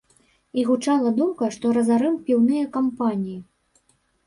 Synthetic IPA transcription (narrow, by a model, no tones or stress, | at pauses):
iɣut͡ʂalˠɐd̪umkɐʂt̪ɔɾɐzaɾɨmpʲiwnɨjɐkampanʲiji